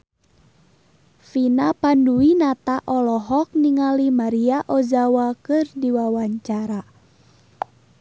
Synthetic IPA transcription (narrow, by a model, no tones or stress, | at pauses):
finapanduinat̪aʔɔlɔɦɔk̚niŋalimaɾiaʔɔzawakɨrdiwawaɲt͡ʃaɾa